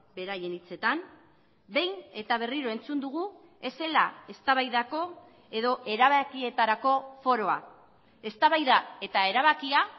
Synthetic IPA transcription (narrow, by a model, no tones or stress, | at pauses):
be̞ɾaje̞nit͡se̞t̪am | be̞jne̞t̪aβ̞e̞riɾo̞e̞nt͡sund̪uɣu | e̞se̞lae̞st̪aβajðako̞ | e̞ðo̞ʔe̞ɾaβakie̞t̪aɾako̞fo̞ɾo̞a | e̞st̪aβajðae̞t̪ae̞ɾaβ̞akia